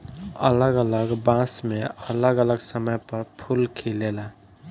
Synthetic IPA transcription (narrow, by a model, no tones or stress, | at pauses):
ə̰ləɡələɡbãsmeələɡələɡsəməjpəɾpʰulkʰelela